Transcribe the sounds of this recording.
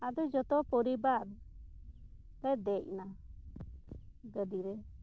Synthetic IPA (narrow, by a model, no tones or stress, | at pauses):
ad̪ɔd͡ʒɔt̪ɔpɔɾibaɾ | lɛd̪ɛc̚na | ɡəd̪iɾɛ